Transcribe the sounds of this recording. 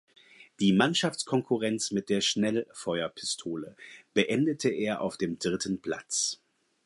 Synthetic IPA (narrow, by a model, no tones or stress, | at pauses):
d̥iːmanʃaft͡skʰɔŋkʰuʁɛnt͡smɪt̚d̥eːɐʃnɛlfɔʏɐpʰɪ̥stʰoːləb̥əʔɛndətʰəʔeːɐʔa̰ʊfd̥eːmdʁɪtʰən̩pʰl̥a̰t͡s